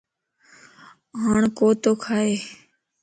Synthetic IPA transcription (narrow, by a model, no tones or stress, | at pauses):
ɦaːɳkoːt̪oːkʰaːeː